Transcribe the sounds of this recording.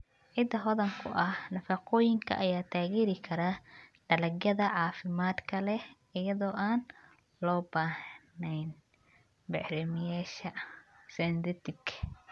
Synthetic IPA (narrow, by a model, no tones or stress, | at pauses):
ʕɪd̪ɐɦɔðɐŋkʰʊ̰ʔɐhnɐfɑqɔːjɪŋkʰɐ̰ʔɐjaːt̪ʰaːɣɛːɾɪkʰɐɾaːɖ̥ɐlɐɡjɐðɐʕɑːfɪmaːd̪kʰɐlɛh | ɪjɐðɔːʔaːn | lɔːbaːhnɛjn | bɛʕɾɪmɪjaːʃɐsɛnd̪ɛt̪ʰɪkʰ